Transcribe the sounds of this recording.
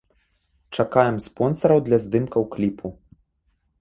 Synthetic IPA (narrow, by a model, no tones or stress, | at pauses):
t͡ʂakajɛmspɔnsɐɾɐwd̪lʲɐzd̪ɨmkɐwklʲipʰu